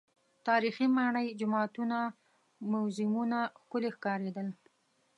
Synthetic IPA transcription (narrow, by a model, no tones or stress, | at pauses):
t̪ɑɾiximɑɳəjd͡ʒʊmɑt̪una | mʊwzɪmunaxkʊlexkɑɾed̪əl